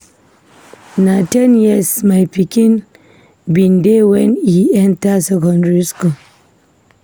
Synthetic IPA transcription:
natanjɛsmajpikʲɪn | bindewɛniʔɛntasɛkɔndɾisko

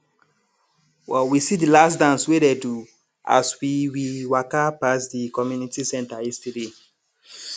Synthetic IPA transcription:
wɛwisidilasdãnswededu | ʔa̰swiwiwakapasdikɔmjunitisɛ̃ntaistade

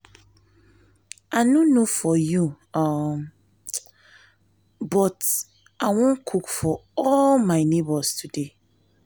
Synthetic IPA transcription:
ʔanũnofɔju | bɔt | ʔawɔ̃nkʰukfɔɔlmaɪnebɔstʰude

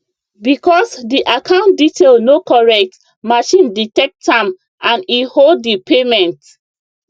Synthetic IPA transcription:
bikɔsdiʔakʰãʊ̃nt̚ditʰelnokɔɹɛk̚t | maʃĩnditɛk̚tãm | ãnihodːipemɛ̃nt

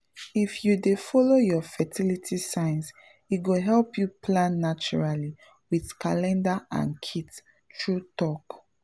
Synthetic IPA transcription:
ifjudefɔlojɔfɛtʰilitʰisãɪ̃ns | it̚ɡoɦɛlpʰjuplãnːat͡ʃuɹali | wiðkalɛ̃ndaã̰nkʰit | tɹutɔk

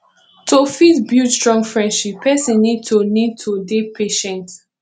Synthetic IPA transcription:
tʰofitbjutstɹɔ̃ŋfɹɛ̃ndʃipʰːɛsĩnnːid̚tʰonid̚tʰodepʰeʃɛ̃nt

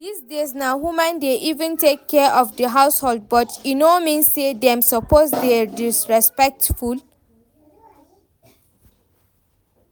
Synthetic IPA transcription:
disdesnaɦumãndeʔivə̃ntekʰːɛʔɔfdəɦaʊshɔld̚bɔtinomĩnsːedɛ̃msɔpozdedisɹɛspɛk̚tful

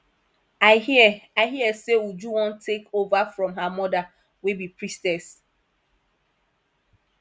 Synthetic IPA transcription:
aɪaɦiɛseud͡ʒuwɔ̃ntʰekovafɹɔ̃mɦamɔda | webipɹistɛs

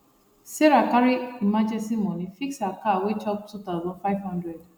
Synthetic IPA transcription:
sɛɾakaɾiimãd͡ʒɛsĩmɔ̃nĩfiksakawet͡ʃɔb̚tʰut̪aʊzɔ̃nfajvhɔ̃ndɹɛd

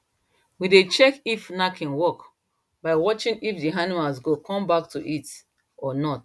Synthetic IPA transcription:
widet͡ʃɛkifnakʰɛ̃nwɔk | baɪwɔt͡ʃĩŋifdiɦanimalsɡokʰɔ̃mbak̚tuʔit | ɔnɔt

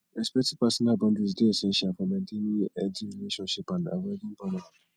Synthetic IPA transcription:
ɛspɛtipasɔnabɔ̃ndisdeɛsɛ̃nʃiafɔnãndenĩɛd͡ʒiɾileʃɔ̃nʃipana̰wadĩm̩banã

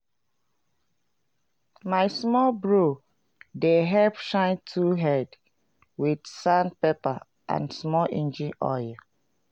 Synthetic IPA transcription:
maɪsmɔlbɹo | deɦɛlpʃãɪ̃ntʰuɦɛd | wid̥sãnpepa | ʔã̰nsmɔlʔḭ̃nd͡ʒĩnɔ̰j

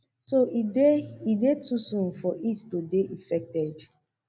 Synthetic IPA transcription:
soieidetʰusũnfɔʔittodeʔĩfɛk̚tɛd

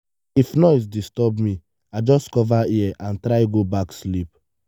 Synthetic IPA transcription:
ifnɔɪs̬distɔbmĩ | aɪd͡ʒɔskɔvaiɛʔãntɾaɪɡobakslip̚

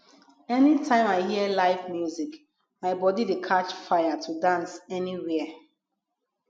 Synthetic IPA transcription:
ɛnitʰãɪ̃maɪhiəlaɪvmjuzik | maɪbɔdidekʰat͡ʃfaɪatʰudãnsɛniɹiə

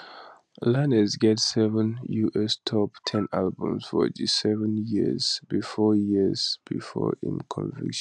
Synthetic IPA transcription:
lanəzɡɛtsɛvə̃njuʔɛstʰɔptʰɛ̃nalbṵ̃msfɔ̰d͡ʒisɛvə̃njiz̥bifɔjiz̥b̥ifɔ̰ḭ̃mkʰɔ̰̃nvḭkʃ

